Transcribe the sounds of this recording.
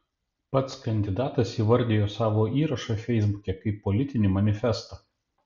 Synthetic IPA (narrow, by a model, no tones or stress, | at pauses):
pɐt̪skɐnʲd̪ʲɪd̪ɑːt̪ɐsiːʋɐɾʲd̪ʲeːjoːsɑːʋoːiːɾɐʃɑfʲɛɪzbʊkʲɛkɐɪpːɔlʲɪt̪ʲɪnʲɪmɐnʲɪfʲɛst̪ɐː